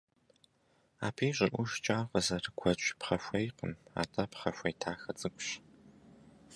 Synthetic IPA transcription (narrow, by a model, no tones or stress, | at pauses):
a̰ːpʰeːɕʼɪrʔʷʊʃt͡ʃʼaːʁəzɐrɡʷʰɐt͡ʃʼpχɐʃʷɐjqəma̰ːtʰʼɐpχɐʃʷɐjtʰaːxɐt͡sʼɨkʷʼɕ